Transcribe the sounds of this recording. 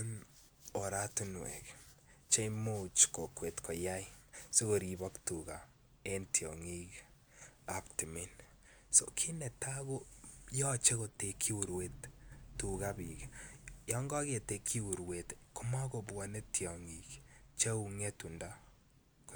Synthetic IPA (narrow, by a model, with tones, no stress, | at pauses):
n | o˨ɾa˦tu˦nwɛ̰˨kt͡ʃe˦imo˦t͡ʃko˨kwe˨tkɔ˨ja˦ise˦ɣo˨ɾi˨bɔ˦ktu˨ka˨ | e˦ntʰiɔ̰˨ŋi˦k | apti˨mi˦n | sokʰi˦nɛ˨ta˦ɣo˦jɔ˦t͡ʃe˦ɣo˨te˨kʰːi˦wu˨ɾwe˦ttukabi˨kjɔ˦ŋɡɔ˦ɣe˨te˨kʰːi˦wu˨ɾwetko˦ma˦ko˨bwa˨ne˦tʰjɔ˨ŋikt͡ʃe˦u˨ŋɛ˦tu˨nda | k